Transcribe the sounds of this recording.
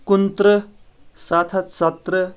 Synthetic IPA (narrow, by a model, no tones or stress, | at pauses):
kunt̪ɾə | sat̪ʰat̪sɐt̪ɾə